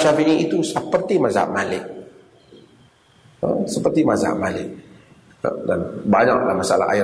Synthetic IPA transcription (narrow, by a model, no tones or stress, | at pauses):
ʃafiʔɲiʔit̪usəpərt̪imaza̰ʔmalɪk̚ | əsəpərt̪imaza̰ʔmalɪ̰k̚ | ə̰danbaɲa̰k̚la̰hmasaala̰a̰ɪ